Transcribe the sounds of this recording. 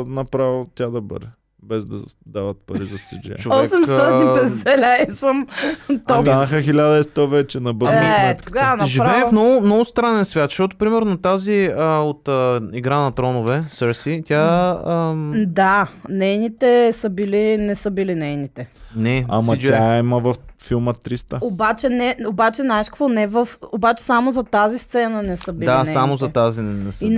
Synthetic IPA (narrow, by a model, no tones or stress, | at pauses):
nɐpɾavit̪ʲjad̪ɐbə̰ɾɛ | bɛzd̪ɐ̰d̪avɐt̪̚pɐɾizɐsḭd͡ʒɛ̰t͡ʃoɔksɛmst̪ɔt̪inibɛzɛlʲɛisəmt̪ɔanəxəxilʲad̪ɐɛst̪ɔvɛt͡ʃɛnɐbəiɛt̪ɡanɐʒiɾvɛːfmnɔɡʊmnɔɡʊst̪ɾanɛnsvʲjat̪ʃt̪ot̪o̥pɾimɛɾnot̪aziəot̪ːiɡɾanɐt̪ɾɔnovɛsəɾsit̪ʲaəd̪anɛjnit̪ɛsəbilinɛsəbilinɛjnit̪ɛnɛa̰mɐt̪aimɐvɐffilˠmət̪ɾist̪əobat͡ʃɛnɛobat͡ʃɛnaɛʃkvonɛvəfobat͡ʃɛ̥samozɐt̪azist̪sɛnənɛsəbild̪ainsamozɐt̪azinɛnɛsi